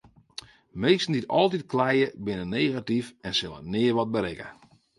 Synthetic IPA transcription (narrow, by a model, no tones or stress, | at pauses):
meːstn̩ditɔlˠtit̚klɛjəbɪnənejɣatifɛnsɪlˠə̰nɪːərʋɔt̚bəɾɪkə̰